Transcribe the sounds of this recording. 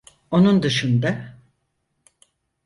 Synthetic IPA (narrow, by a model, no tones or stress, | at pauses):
o̞nund̪ɯʃɯnd̪a